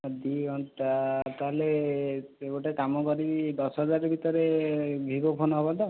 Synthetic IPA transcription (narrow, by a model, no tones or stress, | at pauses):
d̪iɔɳʈt̪aɦele | eɡoʈakamɔkɔɾibid̪ɔsɦɔd͡ʒaɾeɾbʱit̪ɔɾebʱibɔpʰonɔɦɔbɔd̪a